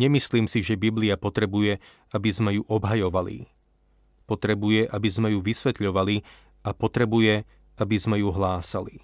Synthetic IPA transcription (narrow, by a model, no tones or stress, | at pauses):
ɲɛmisliːmsiʒɛbibliapɔt̪ɾɛbujɛ | abizmɛjuʔɔbɦajɔʋalḭ | pɔt̪ɾɛbujɛʔabizmɛjuʋisʋɛt̪ʎɔʋali | apɔt̪ɾɛbujɛ | abizmɛjuɦlaːsali